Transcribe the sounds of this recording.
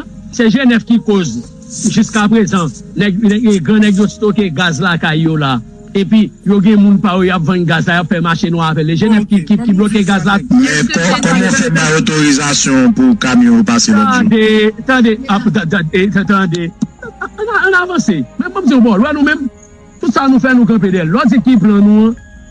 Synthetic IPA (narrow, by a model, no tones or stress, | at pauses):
sɛʒenɛfkikoz | ʒyskapʁezãnɛɡnɛɡeɡɐ̃nɛɡjoti̥t̪ok̬eɡazlakajjola | ep̬ɥijoɡɛ̃mũnpajojapvãnɡazlajapfɛmaʃĩnũapɛleʒenɛvkikikiblok̬eɡazlaɛkɔakɔm̃sãot̪oʁizasjɔ̃pukamĩjɔ̃paseãdet̪ãdeat̪ãtãdett̪ãd̪e | nãːnaːvɐ̃semɛ̃mːɔmd͡zinũbɔlwɛnũmɛ̃m | t̪utsanũfɛnũk̬ɐ̃p̬edɛlɔd͡zikiplãnũɐ̃